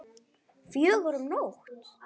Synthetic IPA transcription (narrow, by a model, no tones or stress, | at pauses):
fjɛðvɔɾʏmnowxt̪